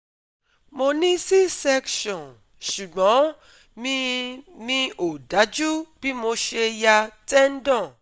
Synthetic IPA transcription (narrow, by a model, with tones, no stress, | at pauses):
mo˧nĩ˦si˦sɛ˦˧kʃɔ̃˨n | ʃu˨ɡ͡bɔ̃˨˦ | mĩ˧˦nĩ˧ʔo˨da˨˦d͡ʒu˦b̥i˦mo˧ʃe˧ja˧tɛ˦n̩˦dɔ̃˦˨